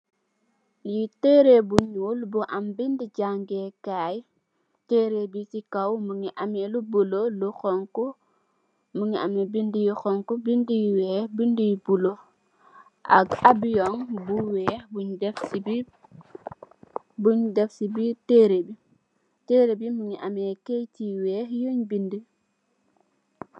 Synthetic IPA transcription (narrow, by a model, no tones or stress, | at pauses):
jiteɾebuɲulbuʔambindiɟaŋɡɛkaːj | teːɾebisikawmuŋiʔamelubuloluxɔŋkɔ | muŋia̰mɛbindijixɔŋkubindijwɛːbindijbulo | ʔa̰ɡabijɔŋbuwɛːbuɲdɛfsibi | buɲdɛfsibiteɾebi | teɾebimuŋiʔamɛkejtiwɛːjoɲbindi